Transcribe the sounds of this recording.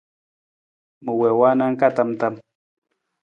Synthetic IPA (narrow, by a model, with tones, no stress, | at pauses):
mə˨wɛ˨wa˦na˦ŋ̩˦ka˦˨ta˦mta˦m